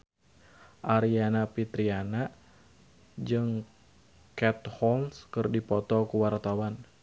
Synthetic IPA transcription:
ʔaɾianapit̪ɾiana | d͡ʒɨŋ | kɛt̪̚hɔlskɨrdipɔt̪ɔkuwart̪awan

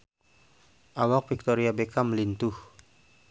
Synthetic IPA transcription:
ʔawak̚fik̚t̪oɾiabekaməlint̪uh

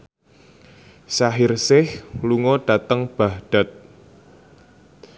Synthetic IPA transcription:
saɦɪrsɪhluŋɔɖ̥a̤t̪əŋb̥a̤hɖ̥a̤t̪̚

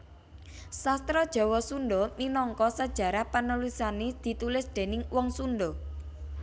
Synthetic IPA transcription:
sast̪ɾɔd̥ʒ̥ɔ̤wɔsunɖɔminɔŋkɔsəd̥ʒ̥ä̤ɾahpanulisaned̪̥i̤t̪ulɪsd̪̥e̤nɪŋwɔŋsunɖɔ

